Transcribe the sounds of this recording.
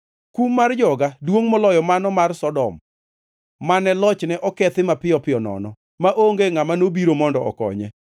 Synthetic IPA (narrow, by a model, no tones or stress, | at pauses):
kumːard͡ʒɔɡadwoŋmɔlɔjɔmanɔmarsɔdɔmː | anɛlɔt͡ʃnɛʔɔkɛt̪ɪmapɪɔpɪɔnɔ̰nɔ | maʔoŋɡeŋamanobiɾomɔndɔɔ̰kɔ̰ɲɛ̰